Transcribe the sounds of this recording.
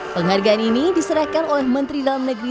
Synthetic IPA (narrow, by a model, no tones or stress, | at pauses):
pəŋɦarɡaʔaninidisəɾahkanolɛhmənt̪ɾidalamnəɡɾi